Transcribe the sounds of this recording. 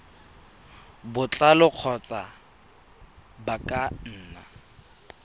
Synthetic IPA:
bʊt͡ɬʼalʊq͡χʰɔt͡sʼa | bakʼan̩ːna̰

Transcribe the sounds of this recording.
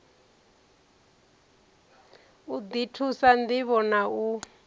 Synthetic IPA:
ud̪itʰusand̪iβɔnau

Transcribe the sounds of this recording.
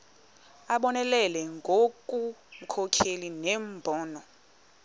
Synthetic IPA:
aɓɔnɛlɛlɛŋɡʱokʼum̩kʰɔkʰelinɛmbʱɔːnɔ

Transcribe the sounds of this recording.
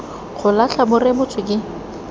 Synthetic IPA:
χʊlaɬʰabʊrɪbʊt͡sʼwɪkɪ

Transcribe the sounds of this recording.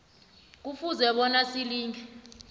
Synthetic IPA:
k̬ufuzɛɓɔnasiliːŋɛ

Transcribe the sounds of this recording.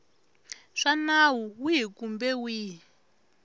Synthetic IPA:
ʂanawuwiɦikumbɛwiːɦi

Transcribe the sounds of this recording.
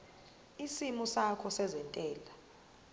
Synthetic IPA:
isimusakʰɔsɛzɛntʼɛːla

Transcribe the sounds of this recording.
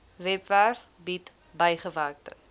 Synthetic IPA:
vɛpvær | bit | bəjχəvæːrk̚tə̰

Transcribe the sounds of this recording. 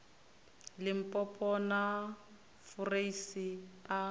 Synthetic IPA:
lɪm̩pʼɔpʼɔna | fʊreisia

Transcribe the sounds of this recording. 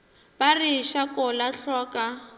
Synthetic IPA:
bariʃakɔlaɬɔka

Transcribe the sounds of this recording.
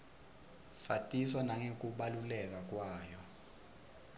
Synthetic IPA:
satʼiswanaŋek̬uɓalulɛk̬ak̬ʼwaːjɔ

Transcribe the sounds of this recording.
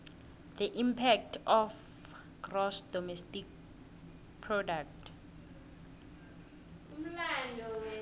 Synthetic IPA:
d̪əʔimpʰɛk̚tʰɔf | ɡ̥rɔsdɔmɛstik̚ | pʰrɔdak̚tʰ | um̩landʱɔ

